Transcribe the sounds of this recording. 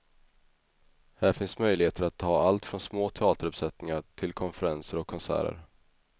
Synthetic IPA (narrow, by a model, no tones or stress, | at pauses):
hæːɾfɪnsmœjlɪheːt̪əɾat̪ʰːɑːalt̪fɾɔnsmoːt̪ʰɛɑːt̪əɾɵpsɛt̪nɪŋaʈʰɪlkʰɔnfəɾansəɾɔkʰːɔnsæ̰ːɾə̰ɾ